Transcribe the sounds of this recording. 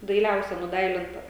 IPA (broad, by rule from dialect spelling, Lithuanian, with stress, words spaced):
dɐɪˈlʲɛʊsʲɛ nʊˈdɐɪlʲɪntɐ